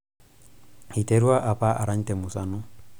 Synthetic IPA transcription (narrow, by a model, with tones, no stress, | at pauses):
hi˨tʼeɾu˦a˦ʔa˨pʼa˦ʔa˨ɾaɲ̩˦tɛ˨mʊ˨sanʊ˦